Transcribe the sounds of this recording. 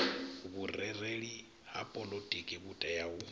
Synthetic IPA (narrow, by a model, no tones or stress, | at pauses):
βurɛreɺi | hapʼɔlotʼikʼiβutʼajau